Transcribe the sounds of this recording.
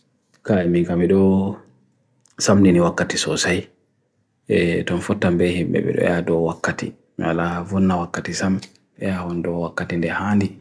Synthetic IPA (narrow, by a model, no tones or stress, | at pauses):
kajimiŋkamiɗɔ | samniniwakːatisɔsaj | ɛtɔnfɔtːambɛhimbɛ̰ɓɛ̰ɗɔ̰jadɔwakːatḭ | mwalavɔnːawakːatisam | ɛjahɔndɔwakːatindɛhaːndi